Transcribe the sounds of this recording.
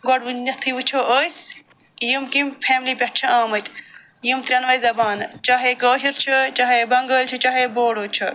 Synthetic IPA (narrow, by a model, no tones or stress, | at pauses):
ɡɔɽʋunɐt̪ʰːiʋut͡ʃʰoːʔəːs | jumkimpʰeːmlipʲɐʈ̚ʰt͡ʃʰɐaːmɐt̪ʲ | jumt̪ɾʲɐnʋɐjzɐbaːnt͡ʃaːɦekɐːʃiɾt͡ʃʰɐt͡ʃaːɦebɐŋɡəːlʲt͡ʃʰɐt͡ʃaːɦeboːɽoːt͡ʃʰɐ